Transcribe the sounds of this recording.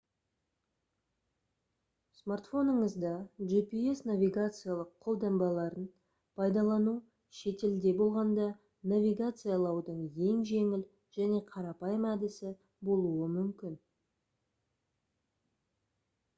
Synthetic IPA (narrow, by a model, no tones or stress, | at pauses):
smart̪fo̞nəɴəzd̪ɑʒipie̞snavʲiɡat̪sɨjalˠəqʰːo̞lˠd̪ɑmbɑlˠɑɾən | pʰɑjd̪ɑlˠɑnu | ʃe̞t̪e̞ld̪e̞bo̞lˠʁɑnd̪ɑ | navʲiɡat̪sɨjalˠɑwd̪əɴje̞ŋʒe̞ŋɪl | ʒ̥æne̞qʰɑɾɑpɑjəmæd̪ɪsɪ | bo̞lˠuəmʏmkʲɪn